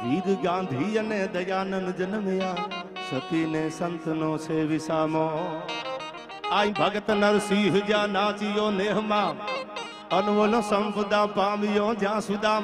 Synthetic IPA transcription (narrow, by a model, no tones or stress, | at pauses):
ʋiːɾɡãːnd̪ʱiːjənẽːd̪ɐjaːnənd͡ʒənmɪjãːnsət̪iːnẽːsənt̪ənõːt͡ʃʰeːʋɪsaːmõː | aːĩbʱəɡət̪nəɾsiːɦd͡ʒãːnaːt͡ʃijõːneːɦmãː | ənʋoːlõːsəmpəd̪ãːpaːmɪjõːd͡ʒãːsʊd̪aː